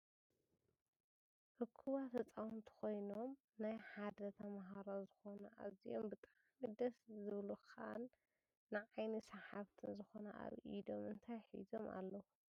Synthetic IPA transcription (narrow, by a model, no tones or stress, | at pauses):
ʔɨkʰːuβat̪ʰɐt͡sʼawunt̪ʰi̥kʰo̞jno̞m | najħad̪ɐt̪ʰɐmaɦaɾazɨxo̞nɐʔa̰zijo̞̰mbɨt̪ʼa | mid̪ɐszɨβluxa̰nː | ɨʕajnisaħaβt̪ʰɨnzɨxo̞nɐʔa̰βḭd̪o̞mɨnt̪ʰajħḭzomʔa̰lːɐhu